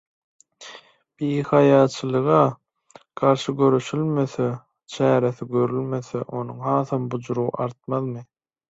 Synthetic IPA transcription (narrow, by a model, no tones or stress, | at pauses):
b̥iːhɑjɑːt͡ʃʰɯlˠɯʁɑ | ɡ̥ɑɾʃɯɡø̞ɾøʃylmøθe | t͡ʃʰæːɾeθiɡø̞ɾylmø̞θeʔo̞nuŋhɑːθɑmbud͡ʒɾuɣ̰ʔɑɾt̪̚mɑðmɯ